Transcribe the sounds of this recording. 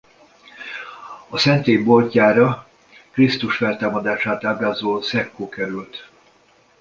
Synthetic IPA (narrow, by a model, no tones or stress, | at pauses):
ɒsɛnt̪eːmbo̞lcaːɾɒ | krist̪uʃfɛlt̪aːmɒd̪aːʃaːt̪aːbɾaːzoːsɛkːoːkɛɾylt̪